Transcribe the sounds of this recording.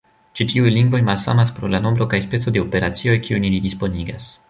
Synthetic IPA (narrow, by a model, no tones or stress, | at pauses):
t͡ʃitiujliŋɡvo̞jmalsa̰maspɾo̞lano̞mbɾo̞kajspe̞t͡so̞de̞o̞pe̞ɾat͡sio̞jkiunilidispo̞niɡas